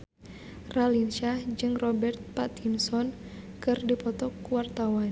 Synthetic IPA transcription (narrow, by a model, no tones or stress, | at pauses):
ralinʃahd͡ʒɨŋrɔbɛrt̪̚pat̪insɔn | kɨrdipɔt̪ɔkwart̪awan